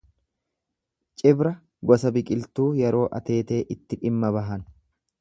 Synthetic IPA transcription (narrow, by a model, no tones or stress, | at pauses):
t͡ʃʼɪbɾɐ | ɡɔsɐbɪkʼɪlt̪uːjɛɾo̞ːʔɐt̪e̞ːt̪e̞ːʔɪt̪ːɪᶑɪmːɐbɐɦɐn